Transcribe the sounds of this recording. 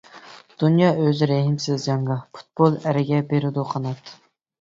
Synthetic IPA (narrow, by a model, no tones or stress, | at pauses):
d̪̥unjɑːøzɪɾɛɦɪmsɪzjɑɴʁɑpʰu̥t̪̚b̥olˠæɾɪɡʲɛbeɾɪd̪uqʰɑnɑt̪ʰ